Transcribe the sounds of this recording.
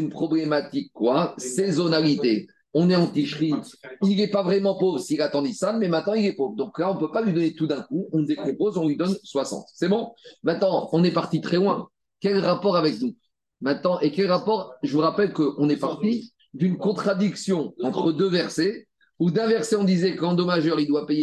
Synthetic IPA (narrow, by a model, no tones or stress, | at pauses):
ynpχɔblemat̪ikːwasezɔnalit̪e | ɔ̃nɛɑ̃t̪iʃχiilɛpavʁɛmɑ̃povʁsiːlat̪ɑ̃d̪isamɛmɛ̃t̪nɑ̃ilɛpovd̪ɔ̃klaɔ̃pøpalɥid̪ɔnet̪ud̪ɛ̃kuɔ̃d̪ekɔ̃pozɔ̃lɥid̪ɔnswasɑ̰̃t̪sɛbɔ̃mɛ̃t̪nɑ̃ɔ̃nɛpaʁt̪it̪χɛlwɛ̃ | kʲɛlʁapɔʁavɛknu | mɛ̃t̪̚nɑ̃ʔekʲɛlʁapɔʁʒəvuʁapɛlkəʔɔ̃nɛpaʁt̪i | d̪ynkɔ̃t̪χad̪iksjɔ̃ɑ̃t̪χəd̪øvɛʁse | ud̪ɛ̃vɛʁseɔ̃d̪izɛkɑ̃d̪ɔmaʒœʁild̪wapeje